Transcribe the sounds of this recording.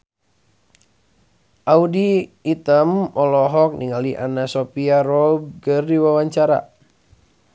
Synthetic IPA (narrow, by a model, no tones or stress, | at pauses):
ʔaudiːt̪əmɔlɔɦɔk̚niŋaliʔa̰nasopiaɾɔb̚kərdiwawaɲt͡ʃaɾa̰